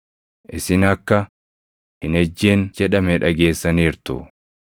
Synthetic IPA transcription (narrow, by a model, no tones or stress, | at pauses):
ʔɪsɪnɐkːɐ | hɪnɛd͡ʒːeːnd͡ʒɛᶑɐmɛᶑɐɡe̞ːsːɐniːɾt̪ʊ̰